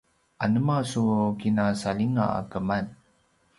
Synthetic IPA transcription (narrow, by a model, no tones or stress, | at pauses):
ʔanəmasukinasaliŋa̰a̰kəman